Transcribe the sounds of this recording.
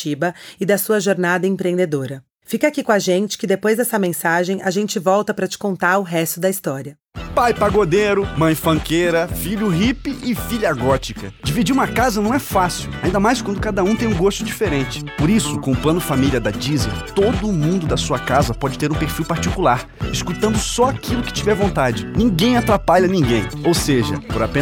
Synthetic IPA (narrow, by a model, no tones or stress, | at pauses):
ibɐɪd̪ɐsuɐʒoɾnad̪ɐẽpɾẽnd̪ed̪oɾɐ | fikakikõaʒẽnt͡ʃɪ̥kɪd̪epojzd̪ɛsɐmẽsaʒẽj̃ʔaʒẽnt͡ʃɪvɔwt̪ɐpɾɐt͡ʃɪ̥kõnt̪aɾʊɦɛst̪ʊd̪ɐist̪ɔɾiɐ | pajpaɡod̪eɾʊmɐ̃j̃fɐ̃ŋkeɾɐfiʎʊɦipɪʔɪfiʎɐɡɔt͡ʃikɐ̰d͡ʒivid͡ʒiɾũmɐkazɐnɐ̃w̃ɛfasiwaĩnd̪ɐmajskwɐ̃nd̪ʊkad̪ɐũt̪ẽj̃ũɡost̪ʊd͡ʒifeɾẽnt͡ʃɪ̥poɾisʊkõʊplɐ̃nʊfamilʲiɐd̪ɐd͡ʒizḛt̪od̪ʊːmũnd̪ʊd̪ɐsuɐkazɐpɔd͡ʒɪt̪eɾũpeɾfiwpaɾt͡ʃikulaɾ | ɪskut̪ɐ̃nd̪ʊsɔakilʊkɪ̥t͡ʃivɛɾvõnt̪ad͡ʒɪnĩɡẽj̃at̪ɾapaʎɐnĩɡẽj̃owseʒɐ̰pʊɾapẽ